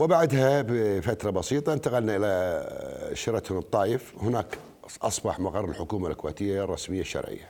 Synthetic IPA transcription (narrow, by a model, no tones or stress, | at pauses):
wɪbaʕd̪habfat̪ɾˤɑbɑsiːt̪ˤɑɪnt̪aɣalnaʔɪla | ʃɪɾˤɑt̪hmt̪ˤːɑːjɪfhʊnaːk | ʔɑsˤbɑħmaɣɑrˤːɪlħʊkuːmalkʊwḛːt̪ɪjːarˤːɑsmɪjːaʃːɑ̰ɾˤʕɪ̰jːa